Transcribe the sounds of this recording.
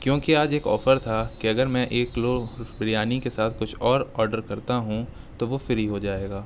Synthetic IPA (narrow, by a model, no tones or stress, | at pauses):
kjõːkiaːd͡ʒeːkɔ̰ːfəɾt̪ʰakiɐɡəɾmɛ̃ʔeːkloːbɾijaːnikesaːt̪ʰkʊt͡ʃʰɔːɾɔːɾɖəɾkɐɾt̪aɦũ | t̪oʋofɪɾɦiɦod͡ʒaːeːɡaː